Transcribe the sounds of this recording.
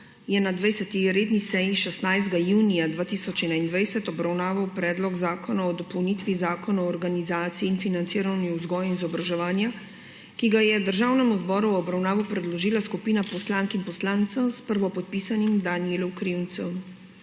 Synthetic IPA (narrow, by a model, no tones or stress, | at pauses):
jɛnad̪ʋɛjsɛt̪iɾeːd̪nisɛjiʃɛst̪najzd̪ɡajuːnijad̪ʋaːt̪isɔt͡ʃɛnaind̪ʋɛjsɛt̪ɔbɾawnaːʋawpɾɛːd̪lɔɡzaːkɔnaɔd̪ɔpɔwnit̪ʋizaːkɔnaɔɔːɾɡanizaːt̪siiːnfinant̪siːɾawniuzɡɔːjinzɔbɾaʒɛʋaːnja | kiɡajɛd̪əɾʒaːwnɛmuzbɔːɾuwɔbɾawnaːʋupɾɛd̪lɔʒiːlaskupiːnapɔslaŋkinpɔslaːnt̪sɐspəɾʋɔpɔt̪̚pisanimd̪anielɔwkɾiwnt̪sɔm